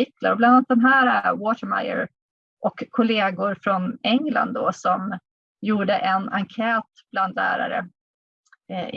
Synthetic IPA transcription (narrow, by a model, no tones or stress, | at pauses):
ɪk̪la̰ɾɔblananat̪̚d̪ɛmɦæːɾawɔt̪əɾma̰jə̰ɾ | ʔɔkʰːʊleːɡʊɾfɾɔnɛŋla̰nd̪d̪ɔsɔm | juːɖəʔɛnaŋkʰɛːt̪b̥land̪læ̰ːɾa̰ɾə̰